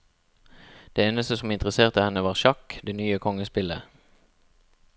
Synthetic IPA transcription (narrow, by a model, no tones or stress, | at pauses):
d̪̥eːeːnəst̪əsɔmɪnt̪ʁəseːʁt̪əhɛnəʋɑːʁʃɑkd̪eːnyːəkʰɔŋəspɪlə